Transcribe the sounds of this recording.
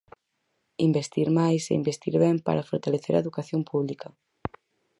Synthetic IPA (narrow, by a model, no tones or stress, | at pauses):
imbest̪iɾmajsḛimbest̪iɾβɛmpa̰ɾafoɾt̪aleθeɾaeðukaθjompuβ̞likɐ